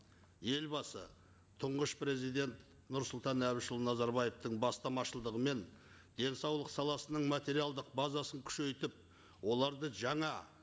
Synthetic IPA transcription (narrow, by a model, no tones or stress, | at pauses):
je̞lbɑsə | t̪ʰʊɴʁəʃpɾe̞zijd̪e̞nt̪ | nʊɾsʊlˠt̪ɑnæwɪʃəlˠnɑzɑɾbɑje̞ft̪əɴbɑst̪ɑmɑʃəlˠd̪əʁəme̞n | d̪e̞nsɑwlˠəqsɑlˠɑsənəɴmat̪e̞ɾijalˠd̪əq̚bɑzɑsəŋkʲʰʏ̥ʃe̞jt̪ɪp̚ | wo̞lˠɑɾd̪əʒɑɴɑ